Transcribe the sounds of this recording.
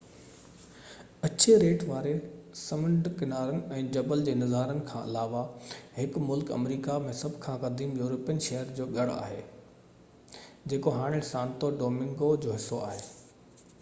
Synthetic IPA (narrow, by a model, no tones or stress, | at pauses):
ɐt͡ɕeɾeːʈʋaːɾesɐmə̃ɳɖkɪnaːɾənɪ̆ɛ̃ːd͡ʑɐbəld͡ʑeːnɐzaːɾənɪ̆kʰãːʔɪ̰laːʋahɪkmʊlkɐ̰mɾiːkamẽsɐbʱkʰãːkɐd̪iːmjuːɾoːpijənʃɐɦəɾd͡ʑoːɠɐɽa̰ːɦeː | d͡ʑeːkoɦaːɽ̃ɪsãːnt̪oɖoːmɪ̃ŋɡod͡ʑoːɦɪsːoa̰ːɦeː